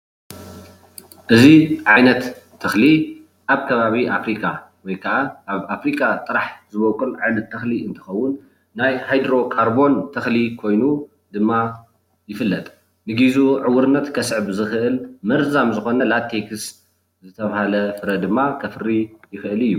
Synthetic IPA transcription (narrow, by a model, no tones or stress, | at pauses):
ʔɨziʕajnɐt̪ʰː | ɐxli | ʔaβkʰɐβaβiʔafɾikʼa | wɔjkʰɐʔaʔaβafɾikʼat̪ʼɨɾaħzɨβokʼɨlʕajnɐt̪ʰːɐxliɨnt̪ʰɨ̥xɐwːʊnː | ajhajd̪ɾo̞kʰʼaɾbo̞nt̪ʰɐxlikʰo̞jnu | d̪ɨmːa | jɪfɨlːɐt̪ʼ | nɨɡizuʕɨwːɨɾɨnːɐt̪kʰɐsɨʕbzɨxɨʔɨlmɐɾzamzɨxo̞nɐlat̪ʰːekʰɨs | zɨt̪ʰɐβahalɐfɨɾɐd̪ɨmːakʰɐfɨɾijɪxɨʔɨlɨjːu